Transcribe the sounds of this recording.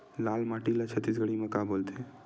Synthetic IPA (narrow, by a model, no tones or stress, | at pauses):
laːlmaːʈilat͡ʃʰət̪ːis̬ɡəɽimẽkaboːlt̪e